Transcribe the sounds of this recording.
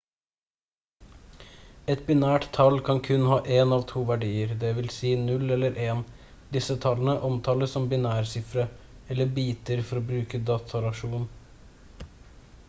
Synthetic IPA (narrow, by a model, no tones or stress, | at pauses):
ɛt̪bɪnæːʈt̪ʰːɑlkʰɑnkʰʉnhɑːʔeːnɑːʋt̪ʰuːʋæɖiːəɾd̪ɛːʋɪlsiːnʉlɛlːəɾʔeːn | d̪ɪsət̪ʰɑlənəʔɔmt̪ʰɑːləsɔmbɪnæːɾsɪfɾə | ɛlːəbiːt̪əɾfɔɾoːbɾʉːkəd̪ɑːt̪ʰɑlɑʃuːn